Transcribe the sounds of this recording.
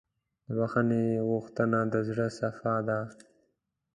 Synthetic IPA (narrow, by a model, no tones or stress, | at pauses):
d̪əbaxaneɣuxt̪ənad̪əzɽəsafad̪a